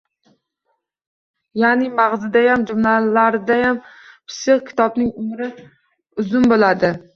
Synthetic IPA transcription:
janɪmaʁzɪd̪ajamd͡ʒʊmlalaɾɪd̪ajam | pʰɪ̥sɪqkʲʰɪ̥t̪ʰɒbnɪŋʊmɾɪ | ʊzʊnbolad̪ɪ

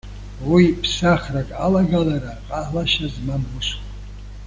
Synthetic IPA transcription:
wipʰsaχrakʼalaɡalaɾaqʼalaʃazmamːuʃk

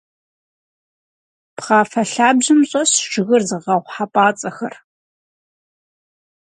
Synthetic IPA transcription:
pχɑːfɐɬaːbʑɨmɕʼɐɕʒɪɣɨrzɨʁɐʁʷħapʼaːt͡sʼɐxɐr

